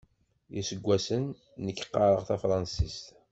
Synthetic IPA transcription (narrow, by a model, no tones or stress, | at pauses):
jisəɡʷːæsənː | əkːqːɑɾˤəʁθæfɾˤɑnsist̪